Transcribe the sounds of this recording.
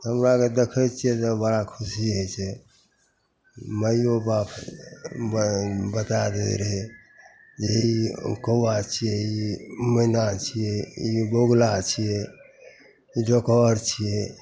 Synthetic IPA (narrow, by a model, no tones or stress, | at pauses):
ɦəmɾaked̪ekʰət͡ʃʰijɛt̪ɔbəɽakʰusiɦəjt͡ʃʰɛ | məjobapʰ | bət̪ad̪ḛɾəɦɛ | d͡ʒeikəwat͡ʃʰijɛimənat͡ʃʰijɛiboɡlat͡ʃʰijɛ | iɖokɔɾt͡ʃʰije